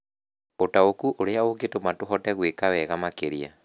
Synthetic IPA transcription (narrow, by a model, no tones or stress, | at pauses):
otaokuʔoɾeaoɡetomatoɦɔtɛɣwekawɛɣamakeɾia̰